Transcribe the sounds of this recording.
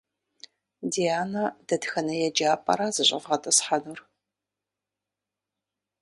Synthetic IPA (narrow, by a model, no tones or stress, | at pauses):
dijaːnɐd̥ɐdxɐnɐjɛd͡ʒaːpʼɐ̰ɾazɨɕʷʼɪ̰vʁɐtʼɐsħanur